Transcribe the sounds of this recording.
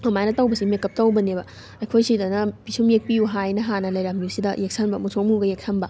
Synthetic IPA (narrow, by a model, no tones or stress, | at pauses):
mɐmajnɐtawbɐsimekːɐp̚tawbɐnebɐ | ɐjkʰojsidɐnɐpisumjek̚piuɦajnɐɦanɐlɐjɾamusidɐjek̚sʰanbɐmusʰomuɡɐjek̚sʰanbɐ